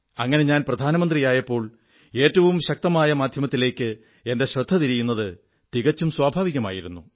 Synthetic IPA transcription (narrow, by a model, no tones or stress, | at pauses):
ɐŋːɐne̞ɲaːnprɐd̪ʱaːnɐmɐnd̪rijaːjɐpːo̞ːɭ | e̞ːtːɐʋumɕɐk̚t̪ɐmaːjɐmaːd̪ʱjɐmɐt̪ːile̞ːkːɨ | e̞nde̞ɕrɐd̪ʱːɐt̪iɾijunːɐðɨ | t̪iɣɐt͡ɕːumswaːbʱaːʋiɣɐma̰ːjiɾunːu